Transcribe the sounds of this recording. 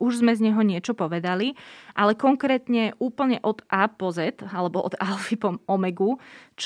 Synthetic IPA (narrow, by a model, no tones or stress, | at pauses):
uʒzmɛzɲɛɦɔɲɪɛt͡ʃɔpɔʋɛd̪aliʔalɛkɔŋkɾɛːt̪ɲɛʔuːpl̩ɲɛʔɔd̪ʔaːpɔzɛt̪alɛbɔʔɔ̰d̪alfipɔmɔmɛɡut͡ʃ